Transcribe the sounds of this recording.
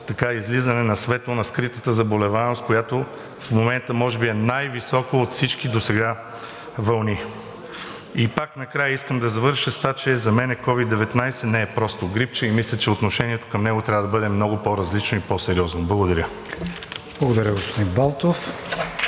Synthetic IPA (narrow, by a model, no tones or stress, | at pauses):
t̪ɐkaizlizɐnɛnɐsvɛt̪ˠonɐskɾit̪ət̪əzɐbolɛvamost̪kojat̪o | fmomɛnt̪əmɔʒɛbiɛnajvisɔkoːt̪fsit͡ʃkid̪osɛɡa | vɐlˠni | ipaknɐkɾajəiskəmd̪ɐzɐvɤɾʃəst̪vat͡ʃɛzɐmɛnɛkɔvid̪ːɛvɛt̪najsɛnɛɛpɾɔst̪oɡɾip̚t͡ʃəimislʲət͡ʃɛot̪noʃɛniɛt̪o̥kəmnɛɡoʊt̪ɾʲavəd̪ɐbɤd̪ɛmnɔɡʊpoɾɐzlit͡ʃnoipɔsɛɾiɔznoblˠɐɡod̪ɐɾʲə | b̥lˠɐɡod̪ɐɾʲəɡospod̪inbalˠt̪of